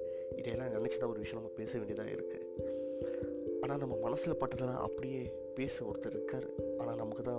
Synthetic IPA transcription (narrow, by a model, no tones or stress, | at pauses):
ɪðɐɛlːãːnɐɳːɪt͡ʃːɐt̪ːãːɔɾɯʋɪʂɐjɐ̃nɐmːɐpeːsɐʋeːɳɖɪjɐðã̰ːɪ̰ɾɯkːɯ̰ | ʔaːnaːnɐmːɐmɐnɐsɪlpaːʈːɐðɐlã̰ːʔɐ̰pːɐɽɪjeː | peːsɐʋɔɾɯt̪ːɯɪɾɯkːaːɾʔaːnaːnɐmɐkːɯt̪ãː